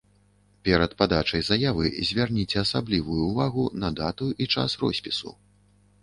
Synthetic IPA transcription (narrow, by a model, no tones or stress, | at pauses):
pʲɛɾɐt̪̚pad̪at͡ʂɐjzajavɨ̰zʲvʲarnʲit͡sʲɛɐsablʲivujuːvaɣunɐd̪at̪uʔit͡ʂa̰srɔ̰sʲpʲisṵ